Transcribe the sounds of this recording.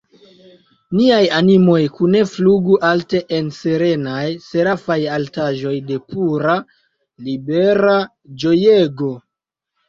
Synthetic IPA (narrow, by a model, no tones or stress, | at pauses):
niajanimo̞jkune̞fluɡuʔalte̞ʔense̞ɾe̞najse̞ɾafajaltaʒo̞jde̞pʰuɾa | libe̞ɾa | d͡ʒo̞jeɡo̞